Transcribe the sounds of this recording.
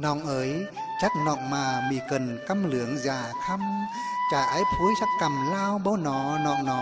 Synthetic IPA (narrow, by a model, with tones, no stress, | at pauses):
nɔ̰˧˨ŋʔəː˨˦j | t͡ɕa˦˥k̚nɔ̰˧˨ŋmaː˨˩mḭ˧˨˩kə˨˩nka˧mlɨ˨˧˩əŋzaː˨˩t̪ʰa˧m | t͡ɕaː˧˩ʔaː˨˦jpʰu˨˦jsa˦˥t̚ka˨˩mlaː˧wɓo˧˦wnɔ˨˦nɔ̰˧˨ŋnɔ˨˦